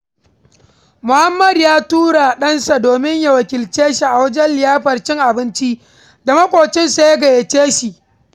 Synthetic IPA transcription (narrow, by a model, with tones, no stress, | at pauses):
mʊ˨ha˦mːɐ˨djaː˦tuː˦ɽa˨ɗɐ˦nsa˨doː˨mɪ˦ɲja˨wɐ˨kʲɪ˨lt͡ʃeː˦ʃi˦ʔa˨wɐ˦d͡ʒɛ˦nlɪ˨jaː˦ɸɐ˨rt͡ʃɪ˦ŋʔa˨bɪ˦nt͡ʃi˦ | da˨mɐ˦kʷʼoː˨t͡ʃɪ˦nsa˨ja˦ɡɐ˨je˨t͡ʃeː˦ʃi˨ʔ